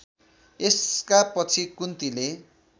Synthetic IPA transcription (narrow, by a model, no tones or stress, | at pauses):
eskapʌt͡sʰikunt̪ile